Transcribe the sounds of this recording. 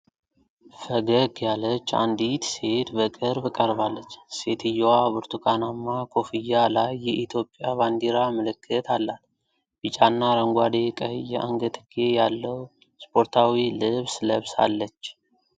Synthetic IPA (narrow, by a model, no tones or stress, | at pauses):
fəɡəɡjalət͡ʃːa̰nd̪it̪se̞t̪bəkʼɨɾbkʼəɾβalːət͡ʃːse̞t̪ʰɨjːowabɨɾt̪ʰukʼanamːakʰo̞fijːalajːɛʔit̪ʰjo̞pʼjaβand̪iɾaməlɨkʰːɨt̪ʰalːat̪ | bɨt͡ʃʼanːaɾəŋɡʷad̪e̞kʼəhjːɛ̰ʔa̰ŋɡət̪ʰɨɡe̞jalːəw | spʰʼo̞ɾt̪ʰawilɨβsləβsa̰lːət͡ʃː